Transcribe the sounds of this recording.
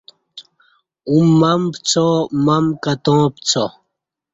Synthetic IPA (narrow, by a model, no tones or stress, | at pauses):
umːampt͡sʰɔmamkat̪ɔ̃ːpt͡sʰɔ